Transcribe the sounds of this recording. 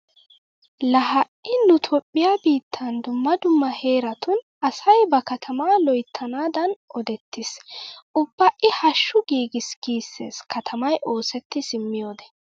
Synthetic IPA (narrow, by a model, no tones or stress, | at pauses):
lɐɦɐʔɪnʊt̪ʰɔpʼːɪjaːbiːt̪ʰːɐnd̪ʊmːɐd̪ʊmːɐhe̞ːɾɐt̪ʊn | ɐsɐjbɐkɐt̪ʰɐmaːlɔjt̪ʰːɐnaːd̪ɐnʔɔd̪ɛt̪ːɪsʊbːɐʔɪhɐʃːʊɡiːɡɪsɡ̥iːsːe̞̰ːskʰɐt̪ʰɐmɐjʔo̞ːsɛt̪ːɪsɪmːɪjo̞ːd̪ɛ̥